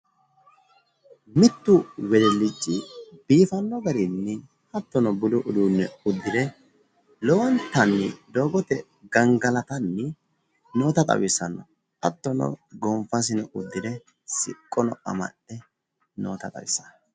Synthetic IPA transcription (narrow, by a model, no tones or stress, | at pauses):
mɪt̪ːʊwɛd̪ɛlːɪd͡ʒːɪb̥iːfɐnːɔɡɐɾɪnːɪ | hɐt̪ːɔnɔbʊlʊʔʊd̪uːnːɛʊd̪ːɪd̪ɛ | lɔwɐnt̪ːɐnːɪ̰d̪oːɡɔt̪ɛ | ɡɐŋɡɐlɐt̪ɐnːɪ | no̞ːt̪ɐt̪ʼɐ̰wɪsɐnːɔ | ɐt̪ːɔnɔ̰ɡɔmfɐs̬ɪnɛʔʊd̪ːɪd̪ɛ | sɪ̰kʼːɔnɔɐ̰mɐ̰ʔɛ | no̰ːt̪ɐt̪ʼɐ̰wɪsɐn